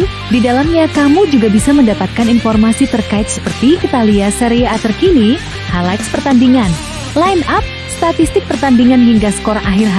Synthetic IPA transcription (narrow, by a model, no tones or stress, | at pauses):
didalamɲakamud͡ʒuɡabisaməndapat̪̚kaninfɔrmasit̪ərkaɪt̪̚sə̥pərt̪iʔit̪aliasəɾeat̪ərkini | halajkspərt̪andiŋan | lainap̚ | st̪at̪ist̪ɪk̚pərt̪andiŋanɦiŋɡasə̥koɾaŋʔaɦirɦa